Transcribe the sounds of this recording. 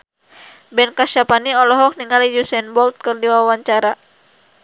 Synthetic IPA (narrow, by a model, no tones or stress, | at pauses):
bɛnkaʃapaniɔlɔɦɔk̚niŋalijusɛnbɔlt̪̚kɨrdiwawaɲt͡ʃaɾa